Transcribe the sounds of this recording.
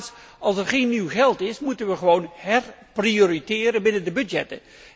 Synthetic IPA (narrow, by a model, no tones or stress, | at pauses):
s | ɑlˠsɛɹχejnːiwχɛlˠtɪsmutənʋəχəʋownhɛrprioːɾitɪːɾənbɪnəndəbɵdjɛ̰tə̰n